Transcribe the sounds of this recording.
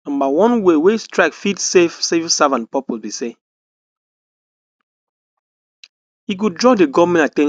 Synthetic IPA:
ãmbawɔ̃nwewestɹaɪkfidsefsefsavãnt̚pɔpobise | iɡ̬udɹɔdeɡɔmɛ̃natɛ̃

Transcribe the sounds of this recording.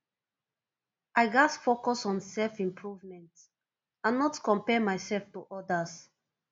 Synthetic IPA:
aɪɡasfokɔsɔ̃nsɛlfĩmpʰɹuvmɛ̃nt | ãnːɔtkɔ̃mpɛmaɪsɛlftuʔɔdəs

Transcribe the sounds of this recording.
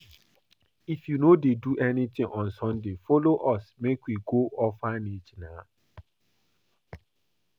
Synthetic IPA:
ifjunodeduʔɛnitɪ̃ŋʔɔ̃nsɔ̃ndefoloʔɔsmekwiɡoʔɔfanid͡ʒina

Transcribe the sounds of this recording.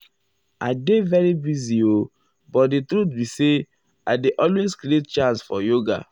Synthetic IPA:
a̰ɪdevɛɹibizio | bɔt̚ditɾut̪bise | a̰ɪdeʔɔlwezkɾiet̚t͡ʃãnsfɔ̰joɡa̰

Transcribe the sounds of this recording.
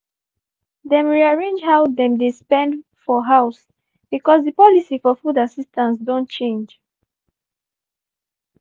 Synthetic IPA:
dɛ̃mɹiaɹẽnd͡ʒhawdɛ̃mdespɛ̃ndfɔɦaws | b̥ikɔsðəpɔlisifɔfudasistãnsdõntt͡ʃẽnd͡ʒ

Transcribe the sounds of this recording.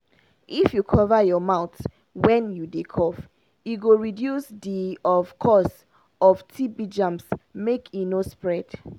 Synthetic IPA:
ʔifjukʰɔvajɔmaʊt | wɛ̃njudekʰɔf | iɡoɹidjusdiɔvkʰɔs | ɔftʰibid͡ʒãmsmekʰjunospɹɛd̥

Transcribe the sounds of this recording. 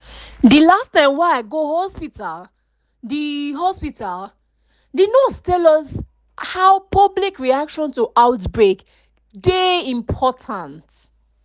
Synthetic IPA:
d̪ilastãɪ̃mwɛaɪɡohɔspital | diɦɔspital | didnɔstɛlɔs | haʊpʰʌblikɹiakʃɔ̃ntuʔaʊtbɹek | deĩmpʰɔtʰãnt

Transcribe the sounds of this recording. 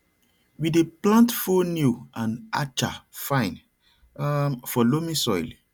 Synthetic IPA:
wideplãntfonjuãna̰t͡ʃa̰fãɪ̃n | fɔlomĩsɔjl

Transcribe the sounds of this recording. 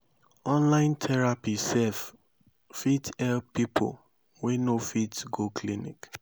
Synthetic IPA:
ɔ̃nlãɪ̃ntʰɛɹapisɛf | fitɛlpipʰo̰l | wenofitɡokʰlinḭk

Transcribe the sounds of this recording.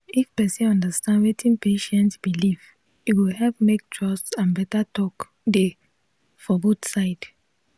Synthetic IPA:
ifpɛsĩnɔ̃ndəstãndwetʰĩnpʰeʃɛ̃ntsbiliv | iwihɛpmek̚tʰɹɔstsãnbɛtatʰɔk | de | fɔbotsaɪd̥

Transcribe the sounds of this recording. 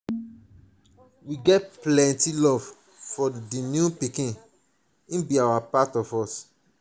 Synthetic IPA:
wiɡɛt̚plɛ̃ntilɔv̥ | fɔdinjũpikĩn | ĩnbiawapatɔvɔs

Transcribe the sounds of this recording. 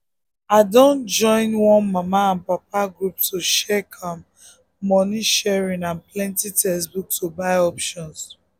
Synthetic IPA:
aɪdõnd͡ʒɔ̃ɪ̃nwɔ̃nmamaãnpap̚aɡɹuptoʃɛkʰãmː | ɔniʃɛɹĩnãnplɛ̃ntitɛsbuk̚tobaɪɔpʃɔ̃ns

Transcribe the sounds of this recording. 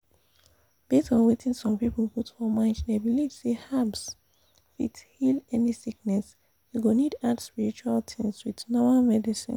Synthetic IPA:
b̥etɔ̃nwetĩnsɔ̃mpipl̩putfɔmãɪ̃nd͡ʒdebilivsehabs | fḭthilɛnisik̚nɛs | juɡonidadspiɹit͡ʃualtʰĩŋswiðnɔmalmɛdisḭ̃n

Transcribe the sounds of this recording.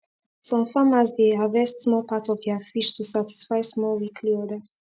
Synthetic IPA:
sɔ̃mfãmazdeavɛstsmɔlpatɔvd̪ɛafiʃtʰusati̥sfajsmɔlwikʰliɔdəs

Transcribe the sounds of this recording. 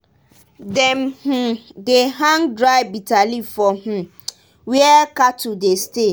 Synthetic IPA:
dɛm̩h̩deɦãŋdɾaɪbitalifɔm̩ | wiɛkatʰudeste

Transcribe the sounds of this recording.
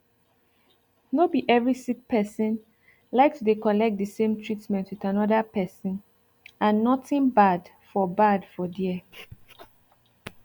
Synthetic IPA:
nobiʔɛvɹisik̚pʰɛsə̃n | laɪk̚tudekɔlɛk̚t̚dəsẽmtʰɹitmɛ̃ntwiθanɔdəpɛsə̃n | ãnːɔtɪ̃nbad | fɔbadfɔdiɛ

